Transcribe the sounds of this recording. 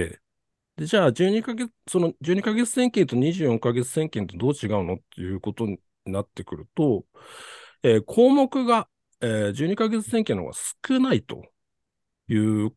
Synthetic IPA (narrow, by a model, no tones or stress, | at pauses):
ḛ | d̪e̞d͡ʑaːd͡ʑɨːɲ̟ikaɡe̞t͡sso̞nod͡ʑɨːɲ̟ikaɡe̞t͡sɨ̥sẽ̞ŋkʲent̪o̞ɲ̟iʑɨːjõ̞ŋkaɡe̞t͡sɨ̥sẽ̞ŋkʲẽnt̪o̞d̪o̞ːt͡ɕiɡaɯ̟no̞t̪ːe̞jɯ̟ːko̞t̪o̞ɲ̟i | inat̪ːe̞kɯ̟ɾɯ̟t̪o̞ | eːkʰo̞ːmo̞kɯ̟ɡa | eːd͡ʑɨːɲ̟ikaɡe̞t͡sɨ̥seŋkʲẽno̰ɡa̰sɨ̥kɯ̟nait̪o̞̰ | jɯ̟ː